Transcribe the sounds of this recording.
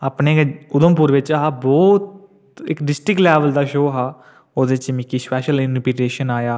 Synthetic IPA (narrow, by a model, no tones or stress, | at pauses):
aːpneːʊd̪əmpʊːɾʋɪt͡ʃaɦaːbɔːt̪ | ɪ̰kɖɪsʈɾɪklɛːʋəld̪aːʃoːɦaː | oːd̪et͡ʃmɪkiːspɛːʃəlɪnpiʈeːʃənaːjaː